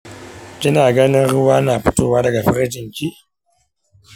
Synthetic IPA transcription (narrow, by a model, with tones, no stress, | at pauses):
kʲɪ˦naː˨ɡɐ˦nɪ˦nɾʊ˦waː˦naː˨ɸʊ˦toː˦˨waː˦dɐ˨ɡa˨ɸɪ˦ɾɪ˦d͡ʒɪ˨ŋkʲiː˦